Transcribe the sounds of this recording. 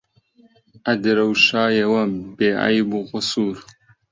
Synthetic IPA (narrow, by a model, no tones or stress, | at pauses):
ʔɐd̪ɾɐwʃaːjɐwɐmbeːʔa̰jbuqʊsuːɾ